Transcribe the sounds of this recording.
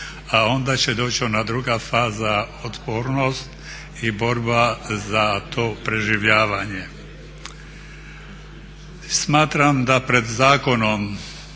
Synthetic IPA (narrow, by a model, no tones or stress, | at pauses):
aɔnd̪at͡ʃɛd̪ɔt͡ʃɔnad̪ɾuɡaːfaːzaɔt̪bɔɾnɔst̪ | ibɔɾbazat̪ɔpɾɛʒiʋɪaʋaɲɪɛ | smaːt̪ɾamd̪apɾɛd̪zaːkɔnɔm